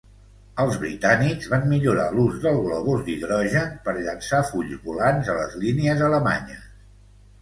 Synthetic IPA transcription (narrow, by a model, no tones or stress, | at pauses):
əlˠzβɾḭt̪aniɡzβammiʎuɾa̰luzðəlˠɣləβ̞ozd̪iðɾɔʒəpəɾʎənsafuʎzβulanzələ̰zliniəzələma̰ɲə